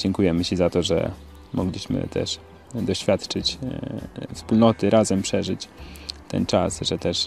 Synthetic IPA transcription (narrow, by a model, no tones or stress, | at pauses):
d͡ʑɛŋkujɛmɘt͡ɕizat̪ɔʐɛ̰ | mʔɔɡlʲiɕmɘ̰t̪ʰɛ̰ʂ | d̪ɔɕfʲjat̪t͡ʂɘt͡ɕ | fspulnɔt̪ɘɾʔazɛmpʂɛʐɘt͡ɕt̪ɛ̰nt͡ʂasʐɛt̪ɛʂ